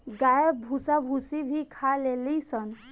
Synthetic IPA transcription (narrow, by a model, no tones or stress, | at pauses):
ɡajəbʱusabʱusibʱikʰalelisən